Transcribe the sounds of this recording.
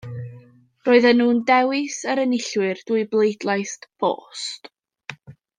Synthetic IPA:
roːɨðənːuːndɛwɪsəɾənɪɬwɪrd̥uɨblˠejdlˠajstb̥o̰ːst

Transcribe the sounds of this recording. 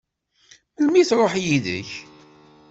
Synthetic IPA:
lmiθɾˤoħjiðə̰ç

